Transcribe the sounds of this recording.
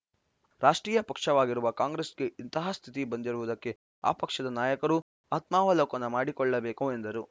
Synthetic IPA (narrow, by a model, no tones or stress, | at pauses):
ɾaːʂʈɾiːjɐpɐkʂɐʋaːɡiɾuʋɐkaːŋɡɾesɡe̞int̪ɐɦaːst̪ʰit̪ibɐnd̪iɾuʋud̪ɐkːe̞ | a̰ːpɐkʂɐd̪ɐnaːjɐkɐɾu | aːt̪maːʋɐloːkɐnːɐmaːɽikɔɭːɐbeːkuend̪ɐɾu